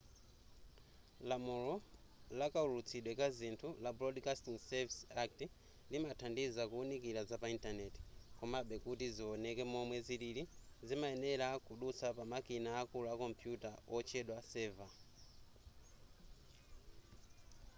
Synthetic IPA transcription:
lamulɔlakaulut͡sʰiɗwɛkazintʰulablɔdkastiŋsɛvisak̚ti | limatʰandizakuːnikiɾazapaintanɛti̥kɔmaɓɛkutiziɔnɛkɛmɔmwɛziɾiɾizimaɛnɛɾakuɗut͡sapamakinaːkuluakɔmpʰjutaɔt͡ʃʰɛɗwasɛva

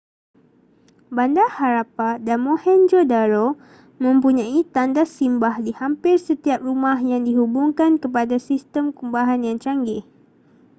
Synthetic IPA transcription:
bandahaɾapadanmohɛnd͡ʒodaɾo | mə̃mpuɲãit̪andasimbahdihampɪrsət̪iap̚rumahjaŋdiɦubuŋkankəp̬adasist̪əmkumbaɦanjaŋt͡ʃaŋɡɪh

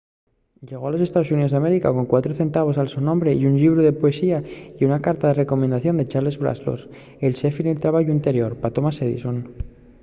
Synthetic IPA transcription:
ɟ͡ʝe̞ɣ̞o̞alo̞se̞st̪aðo̞s̬uniðozðame̞ɾikako̞ŋkwat̪ɾoθe̞nt̪aβ̞o̞salsunõmbɾeiunʎiβ̞ɾoð̞e̞poe̞siaiunakaɾt̪aðe̞re̞ko̞mẽnd̪aθjo̞nd̪e̞t͡ʃaɾle̞zβɾa̰slo̰ɾ | elsefinelt̪ɾaβaʝuint̪e̞ɾjo̞ɾpat̪o̞maseðḭson

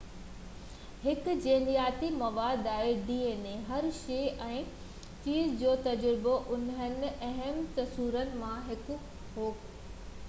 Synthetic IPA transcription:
hɪkd͡ʑẽːnd̪ijaːt̪imɐʋaːd̪aːɦeɖiːeːneɦɐɾʃeːɛ̃ː | t͡ɕiːzd͡ʑoːt̪ɐd͡ʑɾɪboʔʊnən̆ɐɦəmt̪ɐsuːɾənɪ̆mãɦɪkʊ | ɦoːk

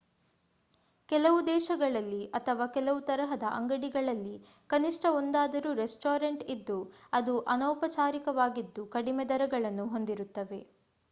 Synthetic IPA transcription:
kɛlɐʋud̪ɛːʃɐɡɐɭɐlːiɐt̪ʰɐʋaːkɛlɐʋut̪ɐɾɐɦɐd̪ɐʔɐŋɡɐɽiɡɐɭɐlːi | kɐniʂʈʰɐond̪aːd̪ɐɾuːɾesʈoːɾɐɳʈid̪ːuɐd̪uʔɐnɔːpɐt͡ʃaːɾikɐʋaːɡid̪ːukɐɽimɛd̪ɐɾɐɡɐɭɐnːuɦo̞nd̪iɾut̪ːɐʋe̞

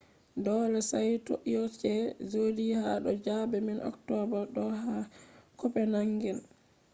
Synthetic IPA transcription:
dɔlɛsajto̰ʔiɔt͡ʃɛzodiha̰ɗɔd͡ʒabɛminʔɔ̰ktɔbaɗɔɦakɔpɛnaŋɡɛl

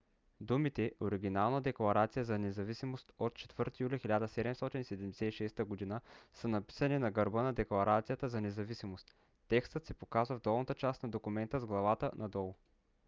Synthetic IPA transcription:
d̪umit̪ɛʔoɾiɡ̟ʲinalˠnəd̪ɛklˠɐɾat̪sijəzɐnɛzɐvisimost̪ot̪̚t͡ʃɛ̥t̪vɤɾt̪ijulʲixilʲad̪əsɛd̪ɛmst̪ɔt̪insɛd̪ɛmd̪ɛ̥sɛiʃɛst̪əɡod̪inəsənɐpi̥sɐninɐɡɐɾbɤnɐd̪ɛklˠɐɾʔat̪sijət̪əzɐnɛzɐvisimost̪ː | ɛkst̪ət̪sɛpokazvɐvd̪ɔlˠnət̪ət͡ʃast̪nɐd̪okumɛnt̪əzɡlˠɐvat̪ənʔɐd̪ɔlˠʊ

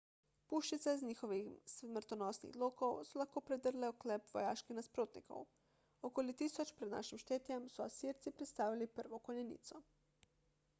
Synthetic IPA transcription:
puʃt͡ʃit̪seizɲixoʋixsmr̩t̪onoːsnḭɣd̪lˠoːkowsulaxkoːpɾed̪ərleoklepʋo̰jaːʃkixnaspɾoːt̪nḭko̰w | okoːlit̪isot͡ʃpɾed̪na̰ʃimʃt̪eːt̪jemsuasiɾt̪sipɾet̪st̪aːʋilipər̩ʋokoɲenḭt̪so

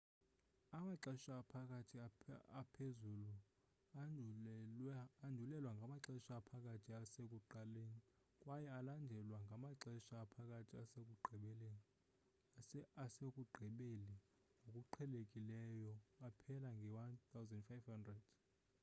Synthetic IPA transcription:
amaǁɛʃaːpʰakʼatʰiaapʰezulu | ndʱulɛlwaŋɡʱamaǁɛʃaːpʰakʼatʰiasekʼuǃaleni | kʼwajɛalandʱɛlwaŋɡʱamaǁɛʃaːpʰakʼatʰiasek̬ʼuɡ͡ǃʱiɓɛleni | asekʼuɡ͡ǃʱiɓeli | ŋʱokʼuǃʰɛlekʼilɛjɔapʰɛlaŋɡʱɛwant̪ʰawzɛndfajvhandrɛd̥

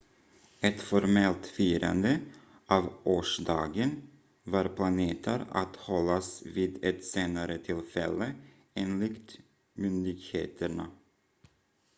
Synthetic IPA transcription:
ɛt̪fɔɾmɛlt̪fyːɾa̰nd̪ə | ʔɑːvʔoːʂd̪ɑːɡən | vɑːɾpʰlaneːt̪ʰə̰ɾa̰t̪hɔlːasviːd̪ɛt̪seːnaɾət̪ʰɪlfɛlːə | eːnlɪkt̪ | mʏnd̪ɪɡhḛːt̪ʰəɳa

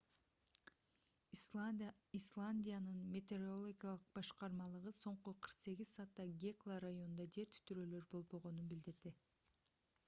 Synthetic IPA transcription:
islˠanʲdʲijanɯnmʲe̞t̪ʲeɾolˠoɡʲijalˠɯq̚bɑʃqɑɾmɑlˠɯʁɯso̞ɴquqʰɯɾqse̞ɡʲizsɑːt̪ːɑɡʲeklˠaɾajo̞nund̪ɑd͡ʒe̞ɾt̪y̥t̪ʰyɾøːlø̞ɾbo̞lˠbo̞ʁo̞nunbild̪iɾd̪i

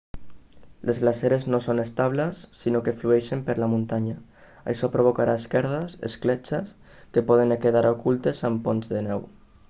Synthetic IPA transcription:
lʔezɣlaseɾeznosonest̪aβlasːinokefluɛʃempeɾlamũnt̪aɲa | a̰jʃɔpɾoβ̞okaɾaeskɛɾð̞asḛsklet͡ʃas | kepɔð̞enkeðaɾokult̪esamponzðenɛw

